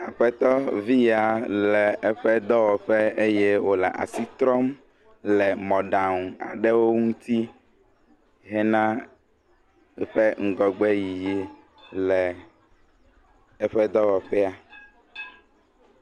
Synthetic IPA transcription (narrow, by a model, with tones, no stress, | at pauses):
a˨ɸɛ˨t̪ɔ˦vi˦a˨lɛ˨ɛ˦ɸɛ˦d̪ɔ˦wɔ˨ɸɛ˦e˦jɛ˦wo˦lɛ̰˨ʔa̰˨si˦t̪ɾɔ˦m | lɛ˨mɔ̃˨ɖã˨ŋ˨a̰˨ɖɛ˦wo˦ŋũ˦t̪i˦ | ɦɛ˦nã˦ | ɸɛ˦ŋ̩˦ɡɔ˨ɡ͡bɛ˦ji˨ji˦ | lɛ˨ | ɛ˦ɸɛ˦d̪ɔ˦wɔ˨ɸɛ˦a˨